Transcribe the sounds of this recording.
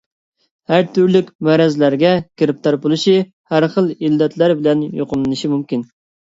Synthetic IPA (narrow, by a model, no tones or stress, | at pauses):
hæɾt̪ʰyɾlykʲmæɾɛzlæɾɡʲɛkʲʰeɾɪp̚t̪ʰɑɾbulˠɨʃi | hæɾχəlˠilːɛt̪læɾbɪlɛnjoqʊlɨnɨʃimumkʲin